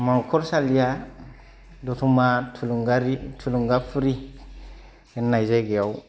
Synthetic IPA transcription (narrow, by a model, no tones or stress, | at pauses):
mankoɾsalija | dotumatuuŋɡaɾitʰuluŋɡafuɾi | ɡinːajzeɡejaw